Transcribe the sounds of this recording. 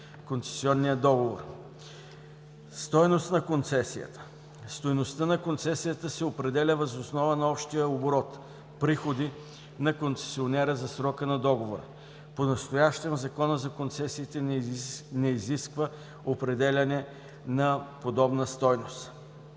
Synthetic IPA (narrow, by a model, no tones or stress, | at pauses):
kont̪sɛ̥siɔnːijəd̪ɔɡovo̰ɾ | st̪ɔjnost̪nɐkont̪sɛsijə̰t̪ə̥ | st̪ojnost̪ənɐkont̪sɛsijət̪əsɛopɾɛd̪ɛlʲəvəzosnɔvənɐɔpʃt̪ijəoboɾɔt̪ | pɾixod̪i | nɐkont̪sɛ̥sionɛɾəzɐsɾɔkənɐd̪ɔɡovoɾə̰ | ponɐst̪ojaʃt̪ɛmzɐkɔnəzɐkont̪sɛsiːt̪ɛ | nɛiziskvə | opɾɛd̪ɛlʲɐnɛ | nɐpod̪ɔbnəst̪ɔjnost̪